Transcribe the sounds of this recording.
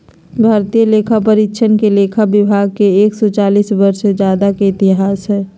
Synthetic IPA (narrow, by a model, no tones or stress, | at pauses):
bʱaːɾt̪ijəleːkʰapəɾɪtːʃʰənkeleːkʰabɪbʱaːɡ̚keeːksɔt͡ʃaːliːsbɐɾsed͡ʒjaːd̪akeɪt̪ɪɦaːsɦɛː